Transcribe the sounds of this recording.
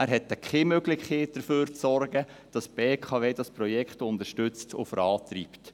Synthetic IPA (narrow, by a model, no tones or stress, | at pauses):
æɾɦɛtːɛkχemøɡlɪçeːt̚d̥əɾføːɾt͡sɔɾɡə | d̥ɑsb̥eːkʰɑːʋeːdɑspɾɔjɛkχtʊnd̪əʃtʏt͡stʰʊ̰fəɾɑːt̪ɾiːpt